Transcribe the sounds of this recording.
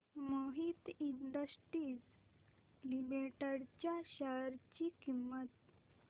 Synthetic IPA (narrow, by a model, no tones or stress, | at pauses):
məɦit̪ind̪əsʈɾiːd͡z | limeʈaɽt͡ɕjaɕaɾt͡ɕiːkimːət̪